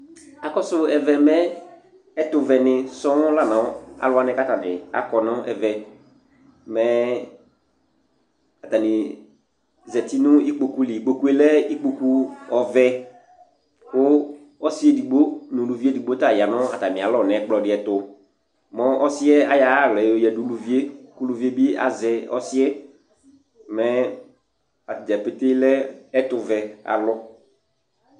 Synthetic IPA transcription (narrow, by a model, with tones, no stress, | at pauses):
a˨kɔ˦sʊ˦ɛ˨vɛ˨mɛ̃˦ | ɛ˦tʊ˨vɛ˨nɪ̃˨sɔ̃˦la˦˨nã˨˦a̰˨lʊ˦a˦nɪ̃˦ka˦ta˨nɪ˨a̰˨kɔ˨nɔ̃˦ɛ˨vɛ˨ | mɛ˦ | a˨ta˨nĩ˨ | zɛ˨ti˦nʊ̃˦i˦k͡po˨ku˦li˨i˨k͡po˨ku˦ɛ˦lɛ˦i˦k͡po˨ku˦ɔ˨vɛ˦ | kʊ˦ | ɔ˦sɪ˦e˦di˨ɡ͡bo˦nʊ̃˨lu˨vi˦e˦di˨ɡ͡bo˦ta˦˨ja˨nɔ̃˦a˨ta˨nɪ̃˨a˨lɔ˦˨nɛ̃˨˦k͡plɔ˨dɪ˨˦ɛ˨tʊ˨ | mɔ̃˦ɔ˦sɪ˦ɛ˦a˨ja˨a˦˨ɣlɔ˨o˨jɛ˨du˨lu˨vi˦e˦ku˦lu˨vi˦e˦bi˦a̰˨zɛ˨ɔ̰˦sɪ˦ɛ˦˨ | mɛ˦ | a˨td͡ʒɛ˨pe˦te˦lɛ˦ɛ˦tʊ˨vɛ˨a̰˨lɔ˦